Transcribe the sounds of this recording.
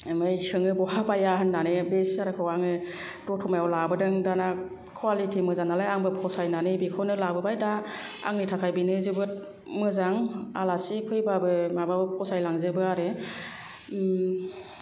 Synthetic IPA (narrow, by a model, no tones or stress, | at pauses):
mɯjsɯŋɯbɔɦabajaɦɯnːanɯbesaɾɯkʰɯwaŋɯ | dɔtʰɔmajɔlabɯdɯŋdana | kʰwalitʰimɯzanalajaŋbɯpʰɔsajnanɯbikʰɔnɯlabɯbajda | a̰ŋnitʰakʰajbinɯzɯbɯt̚ | mɯzaŋalasipʰɯjbabɯmababɯpʰɔsajlaŋzɯbɯaɾɯ